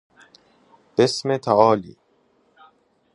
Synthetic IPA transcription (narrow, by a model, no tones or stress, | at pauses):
b̥esmet̪ʰæɒːlḭː